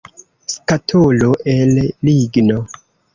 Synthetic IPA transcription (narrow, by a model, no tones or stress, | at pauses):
skatʰoloʔelːiɡno